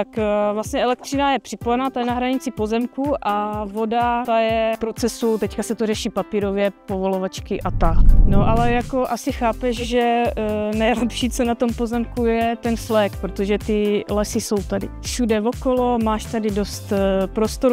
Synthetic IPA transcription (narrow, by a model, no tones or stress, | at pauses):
t̪akvlasɲɛɛlɛk̚t̪r̥ɪnajɛpr̝̥ɪpojɛnat̪ajɛnaɦɾaɲɪt͡sɪpo̞zɛmkuʔavo̞dat̪ajɛpɾo̞t͡sɛsut̪ɛckasɛt̪orɛʃiːpapiːɾo̞vjɛpo̞vo̞lovat͡ʃkɪʔat̪aɦnoʔalɛjako̞ʔasɪxaːpɛʃʒɛnɛjlɛpʃiːt͡sonat̪o̞mpo̞zɛmkujɛt̪ɛnflɛkpɾot̪oʒɛt̪ɪlɛsɪso̞wt̪adɪ̰fʃudɛvo̞kolo̞maːʃt̪adɪdo̞st̪pɾo̞st̪oɾ